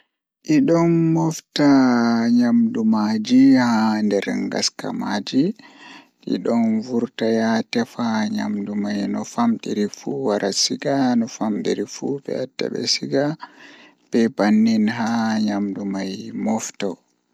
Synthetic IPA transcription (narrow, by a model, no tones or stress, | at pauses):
ʔiɗɔnːɔftaɲamdumad͡ʒihandɛɾŋɡa̰ska̰mad͡ʒi | ʔḭɗɔnvuɾtajatɛfaɲa̰mdumajnɔfamɗiɾifuwaɾasiɡanɔfamɗḭɾifubɛ̰atːɛ̰ɓɛ̰siɡa | bɛbanːinɦaɲamdumajmɔftɔ